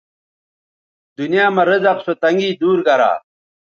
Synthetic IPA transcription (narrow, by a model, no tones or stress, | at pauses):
d̪unjaːmɐɾəzɐqsot̪ɐŋɡiːd̪uːɾɡɐɾa̰ː